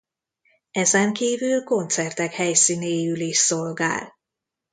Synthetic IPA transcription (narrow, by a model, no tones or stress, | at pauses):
ɛzɛŋkiːvylko̞nt̪sɛrt̪ɛkhɛjsiːneːjyliʃsolɡa̰ːl